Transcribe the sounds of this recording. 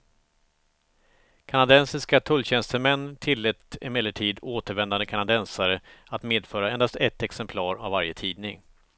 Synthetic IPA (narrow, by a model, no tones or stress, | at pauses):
kʰanad̪ɛnsɪskat̪ʰɵlːɕɛnst̪əmɛnːt̪ʰɪlːɛt̪ɪmɛlːəʈʰiːd̪oːt̪əɾvɛnd̪and̪əkʰanad̪ɛnsaɾəat̪meːd̪fœːɾaɛnd̪ast̪ɛt̪ːɛksɛmpʰlɑːɾavːaɾjət̪ʰiːd̪nɪŋ